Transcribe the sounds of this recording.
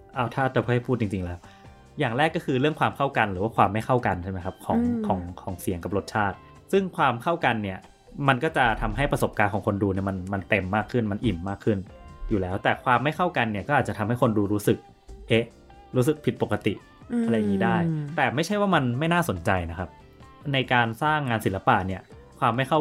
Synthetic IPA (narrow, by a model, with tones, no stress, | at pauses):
ʔa˥˩wt̪ʰaː˥˩t͡ɕːa˨˩pʰɯː˥˩ha˥˩jpʰuː˥˩t̪t͡ɕi˧ŋt͡ɕi˧ŋlɛː˦˥w | jaː˨˩ŋɾɛː˥˩kːɔ˥˩kʰɯː˧ɾɯ˥˩əŋkʰwaː˧mkʰa˥˩wka˧nɾɯː˩˦waː˥˩kwaː˧mːa˥˩jxʰa˥˩wka˧nt͡ɕʰa˥˩ma˦jkʰa˦˥p̚kʰɔː˩˦ŋkʰɔː˩˦ŋkʰɔː˩˦ŋsi˨˩˦əŋka˨˩p̚lo˦˥t̪̚t͡ɕʰaː˥˩t̪̚ | sɯ˥˩ŋkʰwaː˧mkʰa˥˩wka˧nːi˥˩ɐ | ma˧nkɔ˥˩t͡ɕa˨˩t̪ʰa˧mɦa˥˩jpɾa˧so˨˩p̚kaː˧nkʰɔː˩˦ŋkʰo˧nduː˧ni˥˩ɐma˧nma˧nt̪e˧mːaː˥˩kʰːɯ˥˩nma˧nʔi˨˩mːaː˥˩kʰːɯ˥˩njuː˨˩lɛː˦˥wt̪ɛː˨˩kʰwaː˧mːa˥˩jkʰa˥˩wka˧nːi˥˩ɐkɔː˥˩ʔaː˨˩t͡ɕa˨t̪ʰa˧mha˥˩jkʰo˧nduː˧ɾuː˦˥sɯ˨˩k̚ | ʔe˦˥ | ɾuː˦˥s̬ɯ˨˩k̚pʰi˨˩t̪̚po˨˩ka˧t̪ḭ˨˩ʔʰ | a˧a˧jŋːiː˦˥daː˥˩jt̪ɛː˨˩ma˥˩jʰa˥˩jwaː˥˩ma˧nma˥˩jnaː˥˩so˨˩˦nt͡ɕa˧jna˦˥kʰa˦˥p̚ | na˧jkaː˧nsaː˥˩ŋːaː˧nsi˩˦la˦˧pa˨˩ni˥˩ɐ | kʰwaː˧mːa˥˩jkʰa˥˩w